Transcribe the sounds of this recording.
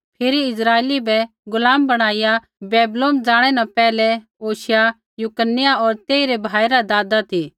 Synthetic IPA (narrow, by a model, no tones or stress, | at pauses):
pʰɪɾiɪsɾaːeːlibɛ | ɡʊlaːmbɐɽ̃aːɪja | beːbloːmd͡zaːɽ̃ɛnãpɛːlɛ | oːʃja | jʊkənːɪjaɔːɾt̪eːiɾebʱaːiɾad̪aːd̪at̪ʰiː